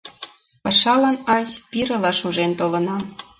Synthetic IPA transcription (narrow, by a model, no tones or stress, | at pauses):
pɑʃɑlɑnɑzʲpiɾə̆lɑʃuʒent̪olɤ̆nɑ